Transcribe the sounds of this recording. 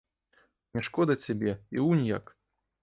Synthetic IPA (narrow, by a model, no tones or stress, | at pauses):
nʲɛʂkɔd̪ɐt͡sʲːabʲɛḭunʲja̰k